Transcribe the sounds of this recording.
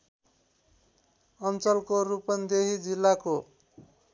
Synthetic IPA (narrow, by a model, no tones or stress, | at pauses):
ʌnt͡sʌlkorupʌnd̪eɦid͡zilːako